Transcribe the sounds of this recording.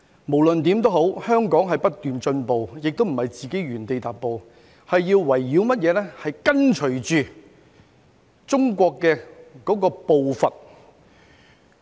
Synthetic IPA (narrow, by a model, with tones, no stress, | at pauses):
mo˨˩wlɵ˨nt̪iː˨˥mt̪o˥wɦo˨˥whœː˥ŋkɔː˨˥ŋɦɐ˨jpɐ˥t̚t̪yː˨nt͡ʃɵ˧npo˨wjɪ˨k̚t̪o˥m̩˨˩hɐ˨jt͡siː˨ke˨˥jɥyː˨˩nt̪e˨jt̪aː˨p̚pːo˨˧w | hɐ˨jːiː˧wwɐ˨˩jːiː˨˧˥wmɐ˥t̚jɛː˨˧lɛ˥hɐ˨jkɐ˥nt͡ʃʰɵ˨˩t͡ʃyː˨ | t͡sʊ˥ŋkʷɔː˧kːɛː˧kɔː˨˥kɔː˧po˨wfɐ˨t̚